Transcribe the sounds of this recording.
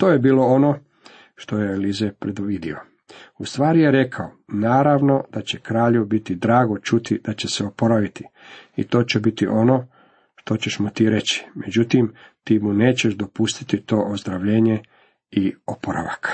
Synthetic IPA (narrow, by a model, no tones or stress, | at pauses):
t̪oːjebiːlo̞ono̞ | ʃt̪ojelizepɾed̪uʋid̪io | ust̪ʋaːɾijeɾe̞kʰaonaːɾaʋno̞d̪̥at͡ɕe̞kɾaːʎeʋbit̪id̪ɾaːɡo̞t͡ʃut̪id̪̥at͡ɕeseopo̞ɾaʋit̪iḭt̪o̞ːt͡ɕebit̪ḭʔo̞no̞ː | ʃt̪o̞t͡ɕeʃmut̪iːɾe̞t͡ɕi̥mʔe̞d͡ʑut̪imt̪iːmune̞ːt͡ɕe̞ʃd̪o̞pust̪i̥t̪it̪o̞ːʔozd̪ɾaʋʎeːɲe̞ | iopoɾa̰ʋa̰k